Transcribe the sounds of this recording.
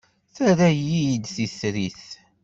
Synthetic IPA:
θæɾæjijd̪θisɾiθ

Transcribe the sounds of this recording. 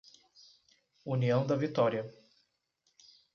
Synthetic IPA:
uniɐ̃w̃d̪ɐvit̪ɔɾiɐ

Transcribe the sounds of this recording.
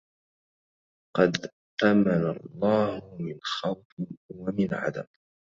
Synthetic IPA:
qɑd̪ | ʔamanalˤːɑːhʊmɪnxɑwfwamɪnʕa̰d̪a̰b

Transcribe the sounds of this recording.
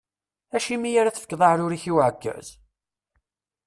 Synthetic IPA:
æʃimijaɾæθəfəkːðˤɑhɾʊɾiçiwʕəkːə̰z̥

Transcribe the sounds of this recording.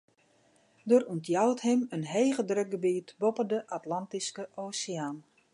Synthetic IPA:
doruntjawthɪmənɦejɣədrøk̚ɡəbiːtbopəndəʔatlantiskəʔoːsiaːn

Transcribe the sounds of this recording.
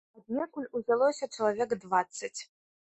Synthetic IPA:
ad̪̚nʲɛkulʲuzʲalˠɔsʲɐt͡ʂɐlˠavʲɛɡd̪vat̪sːɐt͡sʲ

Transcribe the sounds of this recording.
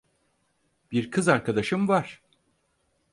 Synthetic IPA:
b̥iɾkʰɯzaɾkad̪aʃɯmvaɾ̥

